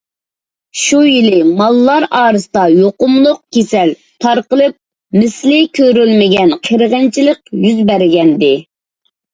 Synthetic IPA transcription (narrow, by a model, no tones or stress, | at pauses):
ʃujilɪmɑlˠːɑɾɑːɾɨsɨd̪ɑjoqʊmlˠʊq̚kʲʰesɛl | t̪ʰɑɾqəlˠɨp̚ | mɪslɪkʲʰøɾylmɪɡʲɛnqʰəɾʁənt͡ʃʰilˠəqjyzbæɾɪɡʲɛnd̪ɪ